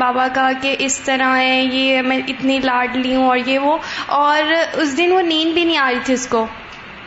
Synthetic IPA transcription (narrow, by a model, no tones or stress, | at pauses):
aːbakakeʔɪst̪ɐɾaɦɛ̃jemɛ̃ːʔɪt̪nilaːɾɖliːɦũɔːɾjeʋoɔːɾʊsd̪ɪnʋoniːnbʱinɐɦĩaːɾiːt̪ʰiʊskoː